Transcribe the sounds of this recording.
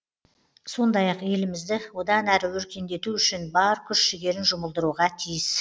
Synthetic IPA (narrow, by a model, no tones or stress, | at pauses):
so̞nd̪ɑjɑqje̞lɪmɪzd̪ɪwo̞d̪ɑnæɾɪwɵɾkʲe̞nd̪e̞t̪uʏʃɪnbɑɾkʲʰʏʃʃɪɡʲe̞ɾɪnʒʊməlˠd̪əɾuʁɑt̪ʰijɪs